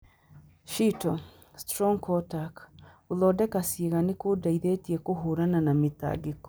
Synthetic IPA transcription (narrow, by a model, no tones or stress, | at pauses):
ʃito | stɾoŋkʰotak | ulodekasiɣanikudaiðetiekuɦuɾananamita̰ːɡiko̥